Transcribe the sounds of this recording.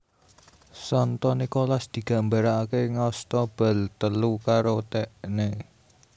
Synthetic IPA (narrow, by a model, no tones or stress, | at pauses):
sɔnt̪ɔnikɔlasd̪̥i̤ɡ̥a̤mbaɾaːkeŋɔst̪ɔb̥ə̤lt̪əlukaɾot̪ɛʔne